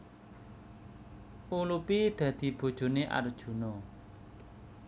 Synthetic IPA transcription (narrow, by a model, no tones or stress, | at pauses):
ʔulupid̪̥ä̤d̪̥i̤b̥o̤d̥ʒ̥o̤neʔa̰ɾd̥ʒ̥ṳnɔ